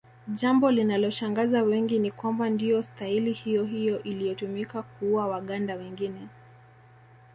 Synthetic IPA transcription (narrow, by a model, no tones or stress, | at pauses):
ʄambɔlinalɔʃaŋɡazawɛŋɡinikwambandijɔstahilihijɔɦijɔʔilijɔtumikak̚uawaɠandawɛŋɡinɛ